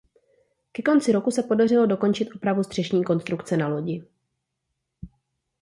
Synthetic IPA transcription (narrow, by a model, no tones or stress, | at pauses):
kɛko̞nt͡sɪɾo̞kusɛpo̞darɪlo̞do̞ko̞nt͡ʃɪt̪ʔopɾavust̪r̝̥ɛʃɲiːko̞nst̪ɾukt͡sɛnalo̞ɟɪ